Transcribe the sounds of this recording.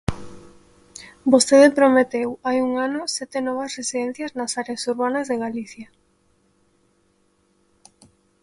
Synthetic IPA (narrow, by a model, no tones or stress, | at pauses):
bost̪eðepɾomet̪ewajuŋanʊsɛt̪enɔβ̞ɐsresiðɛn̟θjɐznɐsaɾeasuɾβanɐzðeɣaliθja